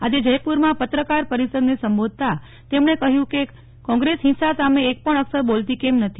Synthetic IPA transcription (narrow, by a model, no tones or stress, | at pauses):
ad͡ʒed͡ʒəjpuɾmãpət̪ɾəkaɾpəɾisəd̪nesəmbod̪̚ʱt̪a | t̪emɳekəɦjũke | kɔ̃ŋɡɾesɦinsasameːk̚pəɳ̃əksəɾbolt̪ikemnət̪ʰi